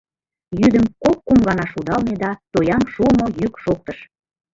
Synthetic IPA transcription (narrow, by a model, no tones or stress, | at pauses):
jyd̪əmkop̚ːumɣɑnɑʃud̪ɑlmed̪ɑt̪ojɑmʃuəmojykʃok̚t̪əʃ